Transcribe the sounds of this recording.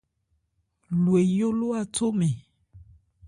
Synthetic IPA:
lu˨e˨jo˦lo˦a˨to˦mẽ˨

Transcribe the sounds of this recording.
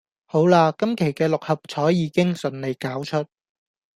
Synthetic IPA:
ho˨˥wlaː˧kɐ˥mkʰe˨˩jkɛː˧lʊ˨k̚hɐ˨p̚t͡sʰɔː˨˥jjiː˨˥kɪ˥ŋsɵ˨nle˨˩jkaː˨˥wt͡ʃʰɵ˥t̚

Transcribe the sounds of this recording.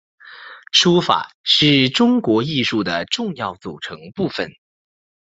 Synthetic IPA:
ʂu˥fa̰˨˩˦ʂɻ̩˥˩ʈ͡ʂʊ˥ŋkwɔ˧˥i˥˧ʂu˥˩d̪ə˩ʈ͡ʂʊ˥˧ŋjɑ˥˩ʊt͡sṵ˨˩ʈ͡ʂʰɤ˧˥ŋpu˥˩fə̰˨˩n

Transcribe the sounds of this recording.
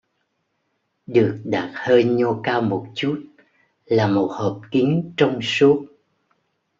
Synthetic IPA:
ɗɨ˨˩ək̚ɗaː˨˩t̚həː˧jɲo˧kaː˧wmo˨˩t̚t͡ɕu˦˥t̚ | laː˨˩mo˨˩t̚həː˨˩p̚ki˨˦əŋt͡ɕɔ˧wŋ͡msu˦˥ət̚

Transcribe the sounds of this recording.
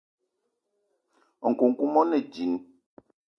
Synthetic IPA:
ŋ̩˨ku˨ŋ̩˨ku˦mɔ˦nɛ˨d͡ʒi˨n

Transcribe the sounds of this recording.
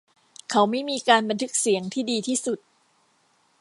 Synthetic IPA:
kʰa˦˥wma˥˩jmiː˧kaː˧nba˧nt̪ʰɯ˦˥k̚si˩˦əŋt̪ʰiː˥˩diː˧t̪ʰiː˥˩su˨˩t̪̚

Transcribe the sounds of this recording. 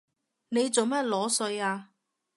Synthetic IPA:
ne˨˧jt͡so˨wmɐ˦˥t̚lɔː˨˥sɵ˧jaː˧

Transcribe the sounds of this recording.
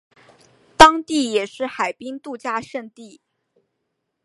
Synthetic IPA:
t̪ɑ˥ŋt̪i˥˩jɛ˨˩ʂɻ̩˥˩xa˨˩ɪpi˥ŋt̪u˥˧t͡ɕja˥˧ʂə˥˧ŋt̪i˥˩

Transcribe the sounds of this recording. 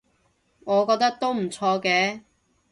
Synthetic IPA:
ŋɔː˨˧kɔː˧k̚t̪ɐ˥k̚t̪o˥wm̩˨˩t͡sʰɔː˧kɛː˨˥

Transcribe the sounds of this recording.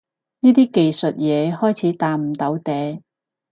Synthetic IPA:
niː˥t̪iː˥ke˨jsɵ˨t̚jɛː˨˧hɔː˥jt͡sʰiː˨˥t̪aː˨m̩˨˩t̪ɐ˨˥wt̪ɛː˨˧

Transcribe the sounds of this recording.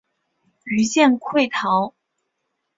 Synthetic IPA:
y˧˥ɕjɛ˥˧nkʰwe˥˩ɪt̪ʰɑ˧˥ʊ

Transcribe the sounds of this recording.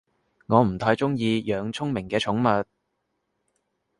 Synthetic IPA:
ŋɔː˨˧m̩˨˩t̪ʰaː˨˥jt͡sʊ˥ŋjiː˧jœː˨˧ŋt͡sʰʊ˥ŋmɪ˨˩ŋkɛː˧t͡ʃʰʊ˨˥ŋmɐ˨t̚

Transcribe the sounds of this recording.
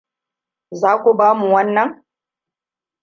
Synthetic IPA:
zaː˦kʷu˨baː˦mu˨wɐ˦nːɐ˨ŋ

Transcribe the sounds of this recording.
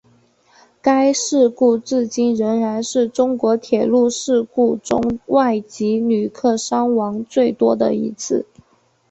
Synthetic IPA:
ka˥ɪʂɻ̩˥˧ku˥˧t͡sɹ̩˥˩t͡ɕi˥˩nɻə˧˥nɻa˧˥nʂɻ̩˥˩ʈ͡ʂʊ˥ŋkwɔ˧˥t̪ʰjɛ˨˩lu˥˧ʂɻ̩˥˧ku˥˩ʈ͡ʂʊ̰˥ŋwa˥˩ɪt͡ɕi˧˥ny˨˩kʰɤ˥˩ʂɑ˥ŋwɑ˧˥ŋt͡swe˥˩ɪt̪wɔ˥d̪ə˨ḭ˧˥t͡sʰɹ̩˥˩

